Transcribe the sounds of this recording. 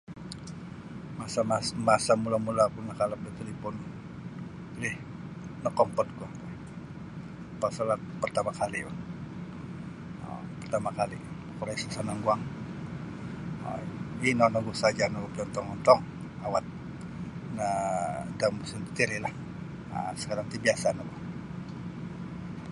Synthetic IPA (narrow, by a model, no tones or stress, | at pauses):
masamasmasamulamulapunːakalap̚dət̪elipɔn | lɪh | nɔkɔmpɔt̪̚kɔh | pasalat̪̚pərt̪amakalia̰n | pərt̪amakalikn | kɔɾasḁsanaŋɡuaŋ | inɔnɔɡusad͡ʒanɔbɔpɔnt̪ɔŋɔnt̪ɔŋ | awat̪̚ | nadambusunt̪i̥t̪iɾilah | ə̰sə̥kaɾaŋt̪ibiasanabɔ